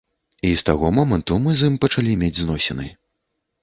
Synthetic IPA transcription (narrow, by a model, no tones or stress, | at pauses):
ist̪aɣɔmɔmɐnt̪umɨzɨmpɐt͡ʂalʲimʲed͡zʲznɔsʲɛnɨ̰j